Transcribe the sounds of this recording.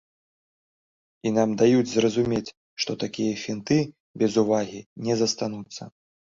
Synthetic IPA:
inamd̪ajud͡zʲzrɐzumʲet͡sʲ | ʂt̪ɔt̪akʲijɐfʲint̪ɨ | bʲɛzuvaɣʲinʲɛzɐst̪anut̪sːɐ̰

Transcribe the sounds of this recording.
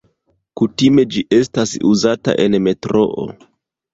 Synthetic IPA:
kutime̞d͡ʒiʔe̞stasuzata̰ʔe̞nme̞tɾo̞̰ʔo̰

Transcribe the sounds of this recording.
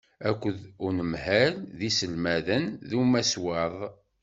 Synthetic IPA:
ækʷːəðʊnəmhælðisəlmæðənðumæswɑðˤ

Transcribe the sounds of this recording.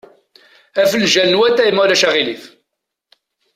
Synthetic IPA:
æfəlʒælənwæt̪ːæjimːulæʃæʁiliθ

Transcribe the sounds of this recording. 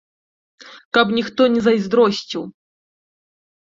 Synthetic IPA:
kɐpnʲixt̪ɔnʲɛzɐjzd̪ɾɔsʲt͡sʲiw

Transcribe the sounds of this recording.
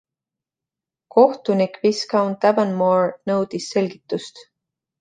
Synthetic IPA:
ko̞ht̪unikviskɑwnt̪ævənmoɹnɤ̞wd̪̥isːe̞lʲɡ̥it̪ˑːust̪

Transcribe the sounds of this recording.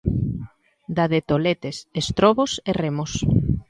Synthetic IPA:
d̪aðet̪olet̪esest̪ɾɔβoseremos

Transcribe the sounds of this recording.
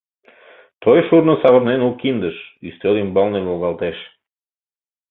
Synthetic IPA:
t̪ojʃuɾnəsɑβɤ̆ɾnenulkind̪əʃyst̪ølimbɑlˠneβolˠɣɑlˠt̪eʃ

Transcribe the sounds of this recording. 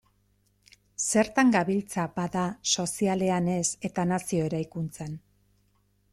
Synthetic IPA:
se̞ɾt̪aŋɡaβilt͡sabaðaso̞siale̞ane̞se̞t̪anasio̞e̞ɾajkunt͡sen

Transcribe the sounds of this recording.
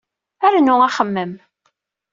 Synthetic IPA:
æɾnʊaχəmːəm

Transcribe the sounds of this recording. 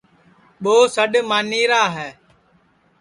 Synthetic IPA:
ɓoːsəɗmaːniːɾaːɦɛː

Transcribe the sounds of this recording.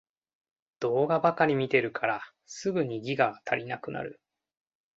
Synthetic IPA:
d̪̥o̞ːɡabakaɾʲimʲit̪e̞ɾɯ̟kʰaɾa | sɨɡɯ̟ɲ̟iɡʲiɡaɡat̪ʰaɾʲinakɯ̟na̰ɾɯ̟̰

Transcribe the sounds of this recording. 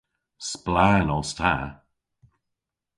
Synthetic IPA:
splanɔstʰa̰

